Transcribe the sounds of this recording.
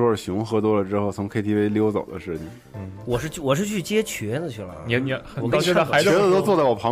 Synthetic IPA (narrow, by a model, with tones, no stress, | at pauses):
wɔ˥˧˩ɕjʊ˧˥ŋxɤ˧˥t̪̬wɔ˥lə˨ʈ͡ʂɻ̩˥xo˥˩ʊt͡sʰʊ˧˥ŋkʰe˥ɪt̪ʰi˥fe˥ɪljo˥ʊt͡sɑ̰˨˩ʊd̪ə̰˦ʂɻ̩˥˩t͡ɕʰḭ˩ | n̩˥˩wɔ˨˩ʂɻ̩˥˧˥wɔ˨˩ʂɻ̩˥˧t͡ɕʰy˥˩t͡ɕjɛ˥t͡ɕʰɥɛ˧˥d̪ə˧t͡ɕʰy˥˩lə̰˩˧ɔ˨˩ka˧˥ɪɛ˧˥ə˧t̪o˥ʊt͡sɔ˥˧t͡sa˥˩wɔ˨˩pʰɑ˧˥